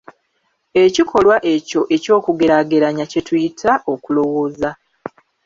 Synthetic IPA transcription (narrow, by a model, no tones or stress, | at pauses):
e̞cikʰo̞lwaʔe̞co̞ʔe̞co̞ːkuɡe̞ɾaɡe̞ɾaɲace̞tujitʰaʔo̞kulo̞wo̞ːza